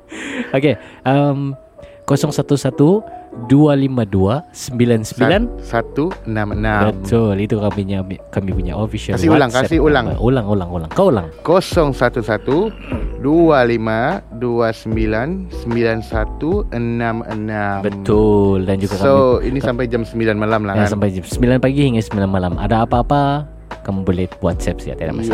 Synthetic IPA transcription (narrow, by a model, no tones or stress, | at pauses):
okeʔəm | kosɔŋsat̪usat̪udualimaduasəmbilansəmbilansat̪uənamənãbəmt̪ʰʊlit̪ukamiɲamikamipuɲa̰ʔofisiaasɪulaŋkasiolaŋa̰ʔolaŋolaŋola̰ŋkaola̰ŋkosɔŋsat̪usat̪u | dualimaduasəmbilansəmbilansat̪uənamənabəmt̪ʊldand͡ʒuɡakaoinissampajd͡ʒamsəmbilanmalamlaasampajd͡ʒamsəmbilanpaɡihiŋɡasəmbilanmalama̰daːpaːpa | kamubolɛhbuat̪sɛp̚sia̰t̪ada̰mas